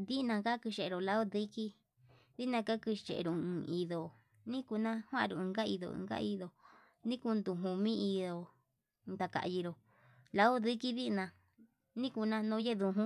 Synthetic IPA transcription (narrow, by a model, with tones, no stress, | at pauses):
ði˦˧nã˧ka˦kɨ˧ʃe˨e˨˧ɾo˨la˦o˦ði˦ki˦ | ði˦nã˧ka˦kɨ˧t͡ʃḛ˨ʔɾo˨˧ɨ̃˧i˧ðo˨ | nĩ˦ku˧nã˦hwã˦ʔɾo˨ɨ̃˧ɡa˦i˧ðõ̰˧˨˧ɡa̰˦i˧ðo˧ | nĩ˦ku˧nd̪u˧ɦũ˧mĩ˦i˧ðo˧ | d̪a˨ka̰˨˧ji˧ɾo˨ | la˧˦o˦ði˦ki˦ði˦˧nã˧ | nĩ˦ku˧nã˧nõ˧˦je˦ðu˧ɦũ˦